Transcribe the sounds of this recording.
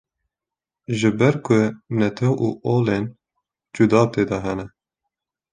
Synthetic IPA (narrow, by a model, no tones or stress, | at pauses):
ʒɨbɛɾkʰʊnɛt̪ʰɛwuʔoːlen | d͡ʒud̪ɑːt̪eːd̪ɑɦɛnɛ